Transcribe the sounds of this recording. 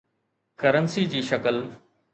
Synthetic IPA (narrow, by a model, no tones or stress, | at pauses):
kɐɾənsid͡ʑiːʃɐkəl